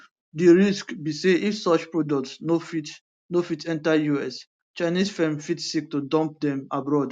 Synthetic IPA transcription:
diɹiskbiseifsɔt͡ʃpɹodɔk̚tsnofit | nofitɛ̃ntajuɛs | t͡ʃaɪnisfɛ̃mfitsik̚tudɔ̃mp̚dɛ̃mabɹɔd

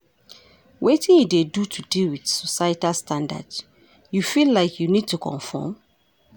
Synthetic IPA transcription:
wetĩnidedutʰudilwið̥sɔsajtalstʰãnda̰ds | jufillaɪkʰjunid̚tukʰɔ̰̃nfɔ̰m

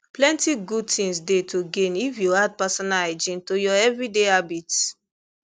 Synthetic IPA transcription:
plɛ̃ntiɡud̚tĩŋsdetʰoɡẽnifjuad̚pasɔnalad͡ʒĩntojɔɛvɹideabit

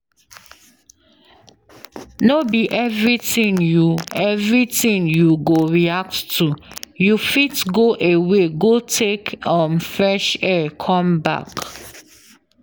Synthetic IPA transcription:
nobiʔɛvɹitĩnjuɛvɹitĩŋjuɡoɹiak̚ttujufitɡoʔeweɡotʰekɔ̃mfɹɛʃɛkʰɔ̃mba̰k

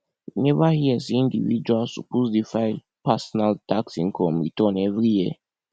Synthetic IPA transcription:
nɛvahiɛsĩndivid͡ʒwalsupozdifaɪl | pasɔnaltaksĩŋkʰɔmḭtɔnɛvɾije

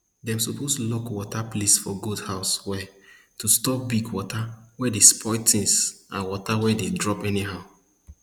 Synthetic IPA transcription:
dɛ̃msupostulɔkwɔtaplisfɔɡodhaʊswɛ | tustɔp̚biɡwɔtʰawɛdespʰɔɪtĩŋsãnwɔtawɛdedɹɔpɛniɦaʊ

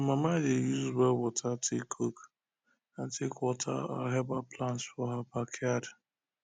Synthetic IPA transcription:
amamadejuzbɛwɔtʰatʰekʰok | antʰekwɔtʰa̰a̰ɦɛbaplantsfɔɦabakʰjad

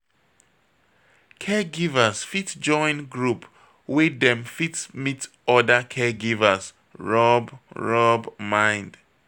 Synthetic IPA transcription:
kʰɛɡivəsfitd͡ʒɔ̃ɪ̃nɡɹup | wedɛ̃mfitmit | ɔdəkʰɛɡivəs | ɹɔbɹɔbmãɪ̃nd̥

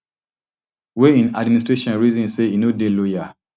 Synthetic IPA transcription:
weĩnadministɹeʃɔ̃nɹizĩnseinodeloja

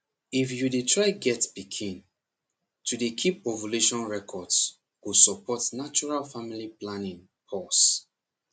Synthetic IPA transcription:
ifjudetʰɹaɪɡɛtbikʰĩn | tʰudekʰipɔvɔluʃɔ̃nɹɛkʰɔds | wusɔpʰɔtnat͡ʃɔɹalfamiliplãnĩŋ | pʰɔs

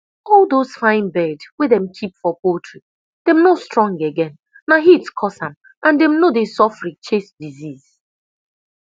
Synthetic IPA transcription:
ɔlˠdoz̥fãɪ̃nbɛdwedɛ̃mkʰipfɔpotʰɹi | d̥ɛmnostɹɔ̃ŋɡeɡɛ̃nː | aɦitskʰɔsãm | ʔãndɛmnodesɔfɹĩt͡ʃesdiziz

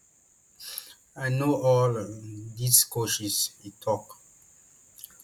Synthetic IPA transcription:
ajnoɔldiskoʃisitʰɔk

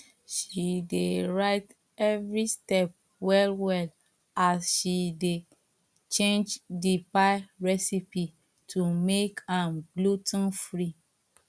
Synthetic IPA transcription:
ʃideɹaɪt | ɛvɹistɛp̚ | wɛlwɛl | asʃide | t͡ʃẽnd͡ʒdipaɪɹɛsipi | tʰumekãnɡlutnfɹi

